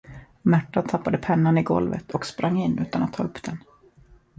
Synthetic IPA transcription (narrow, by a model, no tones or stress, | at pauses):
mæʈːat̪ʰapːad̪əpʰɛnːanɪɡɔ̰lvə̰t̪ʰɔkspɾʔaŋːɪnːʉ̟ːt̪anat̪ʰːɑ̰ːɵpːd̪̥ɛn